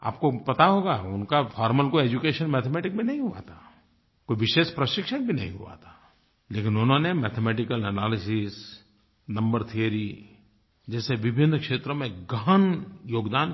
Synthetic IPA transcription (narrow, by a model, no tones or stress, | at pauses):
a̰ːp̚kopɐt̪aɦoːɡaːʊnkafʰɔːɾməlkoeːd͡ʒukeːʃənmɛːt̪ʰemɛːʈɪkmẽnɐɦĩɦʊa̰t̪ʰaː | koːiʋɪʃeːʃpɾəʃɪkʃənbʱinɐɦḭ̃ɦṵa̰t̪ʰḁː | leːkɪnʊnõnemɛːt̪ʰemɛːʈɪkəlɛnaːlɪsɪs | nɐ̃mbəɾt̪ʰijəɾi | d͡ʒɛːseʋɪbʱɪnːkʃeːt̪ɾomẽɡəɦənjoːɡd̪aːn